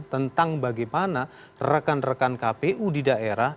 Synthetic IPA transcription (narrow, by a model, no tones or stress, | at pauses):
t̪ənt̪aŋbaɡɛmana | rəkanrəkankapeʔudidaʔeɾah